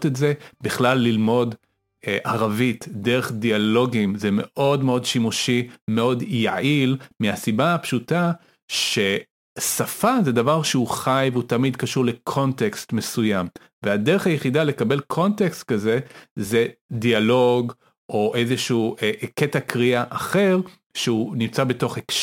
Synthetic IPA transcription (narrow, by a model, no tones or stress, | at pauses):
tetze̞biχlalːilmo̞d | ʔaʁavitdeʁeχdialo̞ɡimzeme̞ʔo̞dmeo̞dʃimuʃime̞o̞dja̰ilmiasibapʃuta | ʃe̞ | safazedavaʁʃeuχajveutamidkaʃuʁle̞kʰo̞ntekstmesujam | veadeʁeχajeχidale̞kabe̞lkʰo̞ntekst̪̚kaze̞ze̞dialo̞ɡ | ʔo̞ʔezeʃuːʔeketakʁiaʔaχe̞ʁ | ʃeunimt͡sabeto̞χekʃ